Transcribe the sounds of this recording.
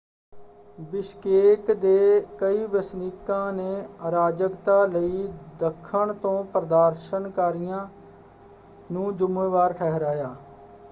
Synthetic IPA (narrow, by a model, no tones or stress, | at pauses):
bɪskeːt̪d̪eːkəiːbəsniːkãːneːəɾaːd͡ʒəkt̪aːləiːd̪əkʰːəɳt̪õːpɾəd̪aːɾʃənkaːɾɪjãː | nũːd͡ʒʊmẽːʋaːɾʈʰɛːɦɾaːjaː